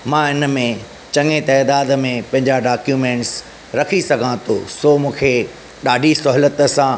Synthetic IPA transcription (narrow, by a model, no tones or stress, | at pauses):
mãɪnə̆mẽ | t͡ɕɐ̃ŋet̪ɛːd̪aːd̪mẽpɐ̃ɦɪ̃ɲd͡ʑaɖaːkjuːmẽːɳʈs | ɾɐkʰisɐɡʱãt̪ʰo̰soːmũːkʰe | ɗaːɖʱisʊɦlət̪ə̆sãː